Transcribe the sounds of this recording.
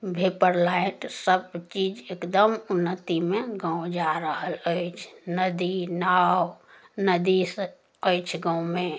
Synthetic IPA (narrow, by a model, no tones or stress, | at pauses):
bʱepəɾlaɪʈsəbt͡ʃiːd͡ʒekd̪əmʊnːət̪imẽɡãõd͡ʒaɾəɦələɪt͡ʃʰnəd̪inawnəd̪is | əɪt͡ʃʰɡə̃wmẽ